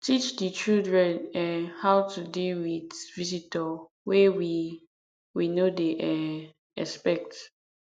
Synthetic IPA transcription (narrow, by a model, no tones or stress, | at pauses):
tit͡ʃdət͡ʃildɹɛ̃nɛhaʊtʰudilwidvizitɔ | wɛwi | winodeʔɛ | ɛ̰spɛk̚t